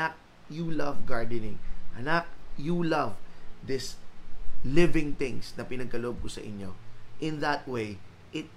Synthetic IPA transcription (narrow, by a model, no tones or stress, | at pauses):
ɐk̚ | julɐvɡaɹd̪ənɪ̃ŋʔɐnak̚julɐvðɪs | lɪvɪ̃ŋt̪ɪ̃ŋsnɐpɪnɐɡ̚kɐloʔob̚kʊsɐ̰ʔɪ̰ɲjo̰ʔɪ̃nðɐt̪̚wej | ʔɪt̪̚